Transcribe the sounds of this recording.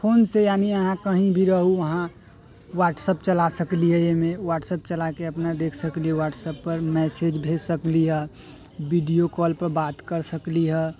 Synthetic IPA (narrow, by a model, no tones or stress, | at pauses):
pʰoːnsejaːniəɦãkəɦĩbʱiɾəɦuʋɐɦã | waːʈsəp̚t͡ʃəlasəkliɦɛjemẽʋaːʈsəp̚t͡ʃəlakeɐpnad̪eːkʰsəkliɦɛʋaːʈsəpːəɾmɛːsed͡ʒbʱesəkliɦɛː | ʋiɖijokɔːlpəɾbaːt̪kəɾsəkliɦɛː